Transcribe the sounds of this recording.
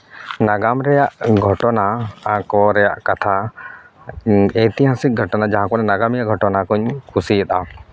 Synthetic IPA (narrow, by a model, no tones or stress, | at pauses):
naɡamɾɛjaʔɡʱɔʈɔnaakɔɾɛja̰ʔkat̪ʰa | ejt̪ijãsiɡʱɔʈɔnad͡ʒaɦãkɔnɛnaɡamijaɡʱɔʈɔnakuɲkʰusiɛt̪a